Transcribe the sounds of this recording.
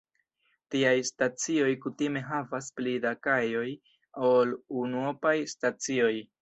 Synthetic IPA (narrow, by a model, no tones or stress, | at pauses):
tiajstat͡sio̞jkutime̞ɦavasplidakajo̞j | olunuopajstat͡sio̞j